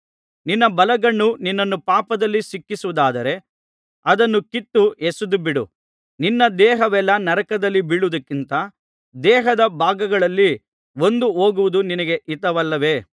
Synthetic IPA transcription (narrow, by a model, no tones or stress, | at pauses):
ninːɐbɐlɐɡɐɳːuninːɐnːupaːpɐd̪ɐlːisikːisuʋud̪aːd̪ɐɾe̞ | ɐd̪ɐnːukit̪ːuesud̪ubiɽṵ | ninːɐd̪ɛːɦɐʋɛlːɐnɐɾɐkɐd̪ɐlːibiɭud̪ɐkːint̪ɐ | d̪ɛːɦɐd̪ɐbaːɡɐɡɐɭɐlːi | o̞nd̪uo̞ːɡuʋud̪uninɐɡeʔit̪ɐʋɐlːɐʋe̞ː